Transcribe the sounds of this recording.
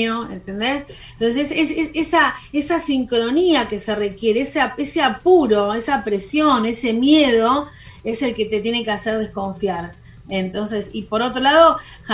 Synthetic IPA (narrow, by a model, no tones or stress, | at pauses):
oḛnt̪end̪es | nt̪onsesesesesesaesasiŋkɾo̞niake̞se̞rekjeɾeeseaeseapuɾo̞esapɾesjo̞ne̞se̞mjeð̞o̞ | ese̞lket̪et̪je̞nekeaseɾð̞e̞sko̞ɱfjaɾ | ent̪o̞ns̬e̞sipo̞ɾo̞t̪ɾolaðo̞ | x